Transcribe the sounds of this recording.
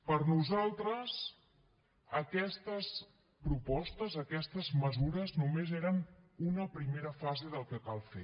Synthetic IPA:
pəɾnuzalˠt̪ɾəs | əkɛst̪əs | pɾupɔst̪əzəkɛst̪əzməzuɾəznumezeɾənunəpɾimeɾəfazeðəlˠkəkalˠfḛ

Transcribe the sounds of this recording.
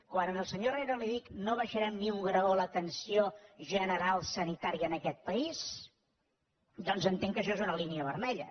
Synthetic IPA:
kwanənəlˠsəɲoreɾoliðiknoβ̞əʃəɾɛmniuŋɡɾəolət̪ənsioʒənəɾalˠsənit̪aɾiəːnəkɛt̪̚pəis | d̪ɔnzənt̪eŋkəʃ̬ɔezunəliniəβəɾmɛʎə̰

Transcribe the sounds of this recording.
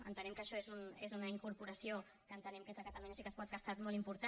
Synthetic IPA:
ə̰nt̪ənɛmkəʃɔezunezunəiŋkuɾpuɾəsio | kəːnt̪ənɛmkezðəkət̪əmenəsikəspɔt̪̚ɡəst̪at̪molˠimpuɾt̪a

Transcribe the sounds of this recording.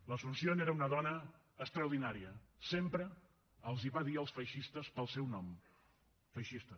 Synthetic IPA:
ləsunsioneɾəunəðɔnəː | kst̪ɾəwðinaɾiəsempɾəː | lˠziβaðiəlˠsfəjʃist̪əspəlˠsɛwnɔm | fəjʃist̪ə

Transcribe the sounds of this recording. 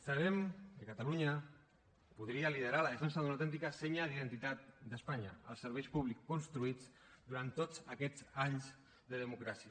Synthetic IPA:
saβ̞ɛmkəkat̪aluɲa | puðɾialiðəɾalasans̬aðunawt̪ɛnt̪ikasɛɲaðiðənt̪it̪at̪̚d̪əspaɲaə̰lˠsəɾβɛjpuβ̞likːunst̪ɾuid͡z | d̪uɾant̪ːod͡zəkɛd͡zaɲz | d̪əðəmukɾasiə

